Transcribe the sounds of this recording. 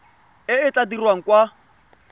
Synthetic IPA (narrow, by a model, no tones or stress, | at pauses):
ɪɪt͡ɬadirwaŋ̩kwa